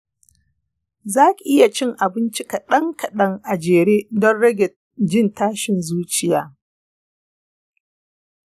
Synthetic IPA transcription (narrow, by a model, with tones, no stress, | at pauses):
zaː˦kʲi˨ʔɪ˦ja˨t͡ʃɪ˦ŋʔa˨bɪ˦nt͡ʃi˦ka˨ɗɐ˦ŋkɐ˨ɗɐ˦ŋʔa˨d͡ʒeː˨ɽeː˦dɔ˦nɽɐ˦ɡʲɛ˨t̚ | d͡ʒɪ˦ntaː˦ʃɪ˨nzuː˦t͡ʃɪ˦jaː˦